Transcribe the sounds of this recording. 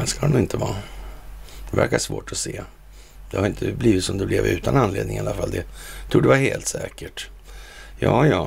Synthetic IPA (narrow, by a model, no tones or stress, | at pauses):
ɛnskahanʊɪnt̪ʰəvɑː | d̪ɛvæ̰ɾkaʂvoːʈɔseː | d̪ɛhaɾɪnt̪ʰəbliːvɪt̪sɔmd̪ɛblɛvʉ̟ːt̪ananleːd̪nɪŋalːafald̪ɛt̪ʰɾuːɖdɛvaheːlt̪sɛːkəʈ | jɑːjɑː